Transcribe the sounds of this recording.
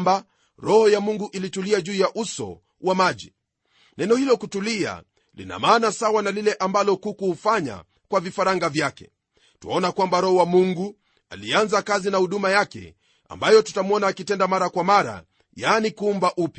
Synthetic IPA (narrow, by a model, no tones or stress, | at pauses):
ba | ɾɔhɔjamuŋɡuʔilituliaʄuːjaʔusɔ̰ | wamaʄḭ | nɛnɔhilɔkutulia̰ | lḭna̰maːnasawanalilɛʔambalɔkukufaɲa̰ | kwavifaɾaŋɡavjakɛ̥̰ | tṵɔnakwambaɾɔhɔwamuŋɡu | alianzakazinahuɗumajakɛ̰ | a̰mbajɔtu̥tamɔnaːkitɛndamaɾakwamaɾa̰ | jaːnikuumbaʔupja